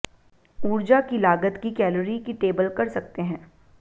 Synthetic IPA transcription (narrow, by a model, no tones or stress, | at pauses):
uːɾd͡ʒakilaːɡət̪kikɛːləɾikiʈeːbəlkɐɾsɐk̚t̪eɦɛ̃ː